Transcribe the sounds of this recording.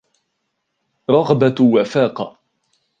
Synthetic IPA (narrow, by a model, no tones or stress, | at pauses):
ɾˤɑɣbawafaːqɑ